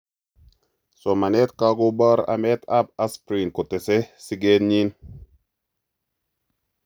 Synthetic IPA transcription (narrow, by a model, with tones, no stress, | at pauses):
so˨ma˨ne˦t̪ka˦ɡo˦ba˦ɾa̰˨me˦t̪ʰa˦p̚a˦spɾi˨nko˨t̪ɛ˨se˦si˦ɡe˦nɲi˦n